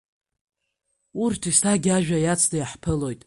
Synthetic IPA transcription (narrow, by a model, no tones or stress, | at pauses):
urtʰistʰaɡʲaʒᶣajat͡sʰdajaħpʰɨlo̞jtʼ